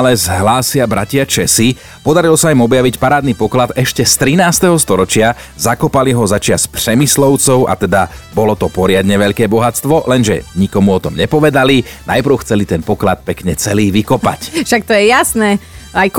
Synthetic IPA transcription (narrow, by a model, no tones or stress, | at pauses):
alɛzɦlaːsɪabɾa̰cɪat͡ʃɛsi | pɔd̪aɾilɔsaimɔbjaʋicpaɾaːd̪nipɔklad̪ɛʃcɛst̪ɾinaːst̪ɛɦɔst̪ɔɾɔt͡ʃɪa | zakɔpaliɦɔzat͡ʃɪaspr̥ɛmislɔʊt͡sɔʊʔa̰t̪ɛd̪abɔlɔt̪ɔpɔɾɪad̪ɲɛʋɛʎkɛːbɔɦat͡st̪ʋɔlɛnʒɛ̰ɲikɔmuɔt̪ɔmɲɛpɔʋɛd̪ali | najpɾ̩ʊxt͡sɛlit̪ɛnpɔklat̪̚pɛkɲɛt͡sɛliːʋikɔpa̰cʃak̚t̪ɔjɛjasnɛːajk